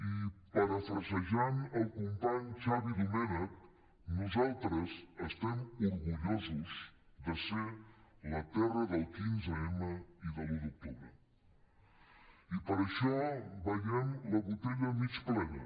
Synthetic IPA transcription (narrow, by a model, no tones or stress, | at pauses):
ipəɾəfɾəzəʒanəlˠkumpaɲt͡ʃaβiðumɛnək̚ | nuzalˠt̪ɾəzəst̪ɛmuɾɣuʎozuz | d̪əselət̪ɛrəðəlˠkinzəɛməiðəluðuk̚t̪uβɾə | ipəɾəʃɔbəjɛmləβut̪eʎəmit͡ʃplɛnə̰